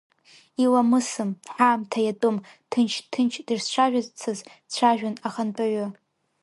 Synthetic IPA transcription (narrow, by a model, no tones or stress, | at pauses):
ilamɨsɨmħaːmtʰajatʼʊmtʰɨnt͡ʃʰtʰɨnt͡ʃʰdɨrst͡ʃʷʰaʒʷᶣazt͡sʰɨzt͡ɕʷʰaʒᶣanaχanpʼaɥʊ